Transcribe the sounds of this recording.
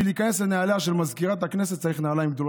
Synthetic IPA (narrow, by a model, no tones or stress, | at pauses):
iliːkane̞slenealaʃelmazkiʁat̪haknes̬et̪t͡ssaɐʁiχnealaimɡ̚d̪o̞l